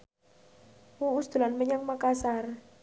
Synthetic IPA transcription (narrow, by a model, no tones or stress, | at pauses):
wuusd̪̥ulanməɲaŋmakasar